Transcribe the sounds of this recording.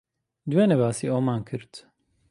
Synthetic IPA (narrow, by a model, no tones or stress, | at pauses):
d̪uwenɛbaːsiːoːmaːnkʰɨɾt̪